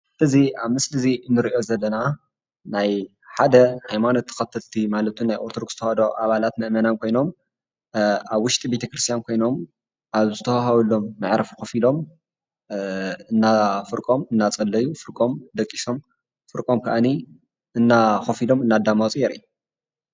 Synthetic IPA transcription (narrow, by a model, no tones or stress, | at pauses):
ɨziaβmɨslɨzinːɨɾʔo̞zɐlːɐna | naj | ħad̪ɐhajmanot̪ʰːɨ̥xɐt̪ʰɐlt̪ʰimalɐt̪ʰunajʔoɾt̪ʰod̪okz̥ɨt̪ʰɐhɐd̪o̞ʔaβalat̪mɨʔmɐnankʰo̞jno̞m | aβwːʊʃt̪ʼibe̞t̪ʰɐkɾɨst̪ijankʰo̞jno̞m | ʔaβzɨt̪ʰɐwɦɐwulo̞mːɨʕɾɐfxɐfilo̞m | ɨnːafɨɾkʼo̞mɨnːat͡sʼɐlːɐjːufɨɾkʼo̞md̪ɐkʼːiso̞m | fɨɾkʼo̞mkʰɐʔani | ʔɨnːaxofilo̞mɨnːad̪amawt͡sʼjɛɾḭju